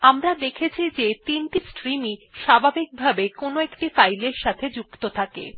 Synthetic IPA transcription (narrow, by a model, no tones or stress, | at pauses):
amɾad̪ekʰet͡ɕʰid͡ʑet̪inʈisʈɾimiʃabʱabik̚bʱabekonoekʈifajleɾʃat̪ʰed͡ʑuk̚t̪ot̪ʰakḛ